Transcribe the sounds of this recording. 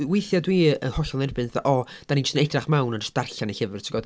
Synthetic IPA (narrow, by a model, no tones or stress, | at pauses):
wejθjadwiːəhɔɬɔlˠnɛrbɨnθʔɔ | d̥aninɔ̥stənɛdraχmawnənrə̥sd̥arɬaniɬəvɨrtʰiɡɔd̥